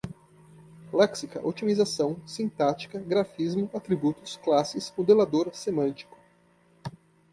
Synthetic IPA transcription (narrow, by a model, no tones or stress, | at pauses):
lɛksikɐ̰ʔot͡ʃimizasɐ̃w̃sĩnt̪at͡ʃi̥kɐɡɾafizmʊat̪ɾibut̪ʊsklasɪsmod̪elad̪oɾsemɐ̃nt͡ʃi̥kʊ̥